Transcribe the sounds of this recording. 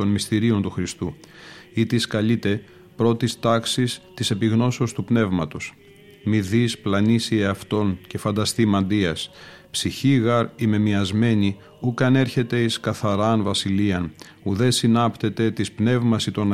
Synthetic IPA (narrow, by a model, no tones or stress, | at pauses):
o̞nmist̪iɾio̞nt̪uxɾist̪uit̪iskɐlit̪e̞ | pɾo̞t̪ist̪ɐksist̪ise̞piɣno̞seost̪upne̞vmɐt̪o̞s | miðisplɐnisieɐft̪o̞nce̞fɐnd̪ɐst̪imɐnd̪iɐs | psiçiɣɐɾime̞miɐzme̞ni | ukɐne̞ɾçe̞t̪e̞iskɐθɐɾɐnvɐsiliɐn | uðe̞sinɐpt̪e̞t̪e̞t̪ispne̞vmɐsit̪o̞n